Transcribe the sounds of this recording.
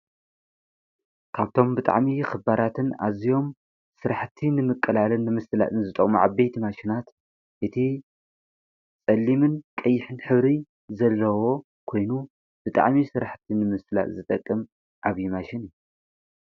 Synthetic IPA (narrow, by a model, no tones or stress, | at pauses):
kʰaβt̪ʰo̞mbɨt̪ʼa̰ʕmixɨbaɾat̪ʰɨna̰zijo̞m | sɨɾaħt̪ʰinɨmɨkʼːɨlalɨnːɨmɨst̪ɨla̰t̪ʼɨnzɨt̪ʼɐχʼmuʕabejt̪ʰimaʃɪnat̪ | ʔɨt̪ʰi | t͡sʼɐlːimɨnkʼɐjːɪħɨnħɨβɾi | zɐlːɐwo̞ | kʰo̞jnu | b̥ɨt̪ʼa̰ʕmisɨɾaħt̪ʰinɨmɨst̪ɨla̰t̪zɨt̪ʼɐkʼːɨm | ʕaβjimaʃɪnɨju